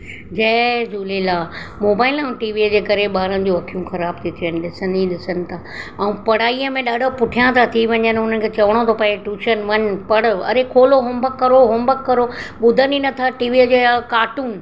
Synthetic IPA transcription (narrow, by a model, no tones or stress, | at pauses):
d͡ʑɛːd͡ʑuːlelaː | moːbaːɪlɐ̃ũʈiːʋid͡ʑeːkɐɾeɓaːɾənɪ̆d͡ʑoːɐkʰijũxɐɾaːb̚t̪ʰit̪ʰiʋənɪ̆ɗɪsə̃nd̪ĩɗɪsənɪ̆t̪ʰaːɐũpɐɽ̤aːiəmẽɗaːɖʱopʊʈʰijãt̪ʰat̪ʰiʋɐ̃ɲd͡ʑənɪʊn̤ən̆kʰeːt͡ɕɐʋəɽ̃ot̪ʰopɐ̃eʈuːʃənʋɐnpɐɽʊɐ̰ɾekʰoːloɦʊmbəkːɐɾoɦʊmbəkːɐɾoɓʊd̪ʱəninɐt̪ʰaːʈiːʋid͡ʑekaːʈuːn